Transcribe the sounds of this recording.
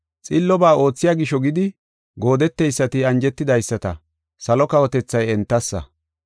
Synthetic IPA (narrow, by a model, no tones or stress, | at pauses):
t͡sʼɪlːɔbaːʔo̞ːt͡sːɪjaːɡɪʃɔɡɪd̪ɪ | ɡo̞ːd̪ɛt̪ːɛjsːɐt̪ɪɐnd͡ʒɛt̪ːɪd̪ɐjsːɐt̪ɐ̰ | sɐlɔkɐwɔt̪ɛt͡sːɐjɛnt̪ːɐsːɐ̰